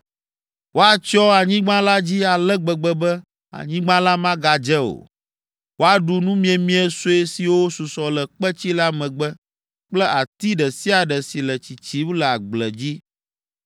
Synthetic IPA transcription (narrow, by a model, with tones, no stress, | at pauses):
wo˦a˨t͡ʃɔ˦a˨ɲĩ˦ɡ͡bã˦la˦d͡ʑi˦a˨lɛ˦ɡ͡bɛ˨ɡ͡bɛ˨bɛ˦ | a̰˨ɲĩ˦ɡ͡bã˦la˦mã˦ɡa˨d͡ʒɛ˦o̰˨ | wo˦a˨ɖu˨nũ˦mĩ˦ɛ˨mĩ˦ɛ˨so˦e˦si˨wo˦su˨sɔ˨lɛ˨k͡pɛ˦t͡ɕi˦la˦mɛ̃˨ɡ͡bɛ˦ | k͡plɛ˦ʔa˨t̪i˦ɖɛ˨si˦a˨ɖɛ˨si˨lə˨t͡ɕi˨t͡ɕi˦wlə˨a˨ɡ͡blɛ̰˨d͡ʑi˦